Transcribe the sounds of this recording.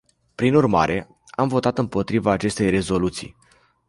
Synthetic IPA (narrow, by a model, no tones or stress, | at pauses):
pɾinurmaɾʔe̞ | amvo̞t̪at̪ɨmpo̞t̪ɾivaːt͡ʃe̞st̪e̞jre̞zo̞lut̪sḭj